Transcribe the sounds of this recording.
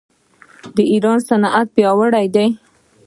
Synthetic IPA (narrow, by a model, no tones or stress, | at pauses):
d̪əiɾɑnsanʔat̪̚pjɑwəɽajd̪ej